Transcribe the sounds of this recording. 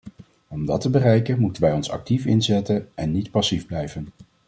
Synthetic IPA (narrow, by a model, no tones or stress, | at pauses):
ɔmdɑtəbərɛjkənmutənʋɛjɔnsɑ̰k̚tifɪnzɛtənɛnːitpɑsivblɛjvən